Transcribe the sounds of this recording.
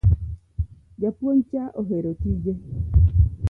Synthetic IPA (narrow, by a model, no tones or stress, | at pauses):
d͡ʒapuon̩t͡ʃaʔoɦeɾotid͡ʒe